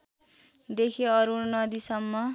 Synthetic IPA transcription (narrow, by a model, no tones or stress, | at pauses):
d̪ekʰiʌɾunʌd̪isʌmːʌ